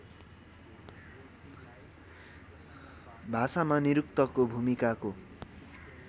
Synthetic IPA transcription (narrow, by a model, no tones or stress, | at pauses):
bʱasamaniɾukt̪ʌkobʱumikako